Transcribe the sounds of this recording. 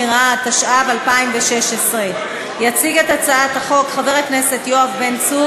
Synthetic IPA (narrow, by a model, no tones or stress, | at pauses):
iʁat̪aʃʔavalpaimveʃe̞ʃesʁe | jat͡siɡe̞tat͡saathaχo̞kχaveʁet̚knese̞tjo̞avbent͡su